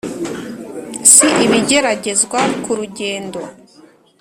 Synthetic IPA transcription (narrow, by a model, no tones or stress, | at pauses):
siʔiβiɟe̞ɾaɟe̞zɡwakuɾuɟe̞ːndo̞